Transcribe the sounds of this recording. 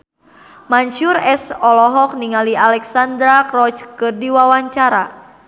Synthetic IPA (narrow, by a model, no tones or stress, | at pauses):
maɲt͡ʃurɛsɔlɔɦɔk̚niŋalialɛksand̪ɾakrɔt͡ʃkɨrdiwawaɲt͡ʃaɾa